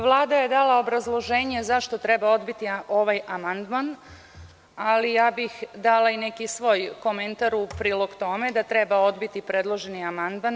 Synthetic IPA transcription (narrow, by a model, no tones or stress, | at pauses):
ʋlˠaːd̪aje̞d̪alao̞bɾazlˠo̞ʒeːɲe̞zaʃt̪o̞t̪ɾe̞bao̞d̪bit̪io̞ʋajamand̪man | alijaːbixd̪alaine̞kisʋoːjko̞me̞nt̪aɾupɾiːlˠo̞ɡt̪o̞me̞d̪at̪ɾebao̞d̪bit̪ipɾeːd̪lˠo̞ʒe̞niamand̪man